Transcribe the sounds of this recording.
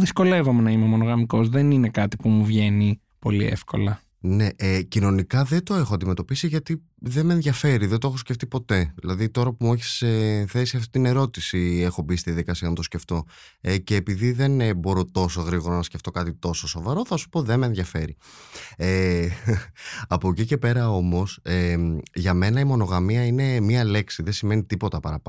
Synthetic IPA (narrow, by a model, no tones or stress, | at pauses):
ðisko̞le̞vo̞menɐimemo̞no̞ɣɐmiko̞zðeninekɐt̪ipumuvʝe̞ni | po̞lḭḛfko̞̰lɐ | ne̞ʔecino̞nikɐðet̪o̞e̞xoɐnd̪ime̞t̪o̞pisiʝɐt̪i | ðemenðʝɐfe̞ɾiðe̞nt̪oxosceft̪ipo̞t̪e̞ðilɐðit̪o̞ɾɐpumueçi̥seθe̞siɐft̪i̥t̪ine̞ɾo̞t̪isie̞xo̞bist̪iðeðikɐsiɐnɐt̪o̞sceft̪o̞ | ece̞ːpiðiðe̞nbo̞ɾo̞t̪o̞so̞ɣɾiɣoɾonɐsce̞ft̪o̞kɐt̪it̪o̞soso̞vɐɾo̞θɐsu̥po̞ðe̞menðʝɐfe̞ɾi | e | ɐpo̞cice̞pe̞ɾɐo̞mo̞seʝɐme̞nɐimo̞no̞ɣɐmiɐine̞miɐle̞ksiðesime̞nit̪ipo̞t̪ɐpɐɾɐp